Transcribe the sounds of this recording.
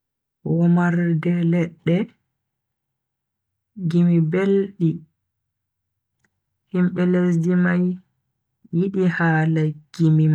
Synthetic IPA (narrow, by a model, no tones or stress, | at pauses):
wɔmaɾdɛlɛɗːɛ | ɡimibelɗi | himɓɛlesdimajː | iɗihaːlaɡ̥imima